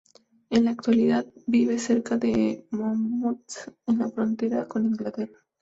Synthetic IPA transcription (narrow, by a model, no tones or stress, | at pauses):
enlaːk̚t̪waliðaðbiβe̞se̞ɾkaðemamut̪enlafɾo̞nt̪e̞ɾako̞nĩŋɡlat̪e̞ra